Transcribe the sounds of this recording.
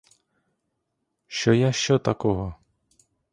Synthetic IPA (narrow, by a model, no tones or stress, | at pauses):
ʃt͡ʃɔjaʃt͡ʃɔt̪ɐkɔɦɔ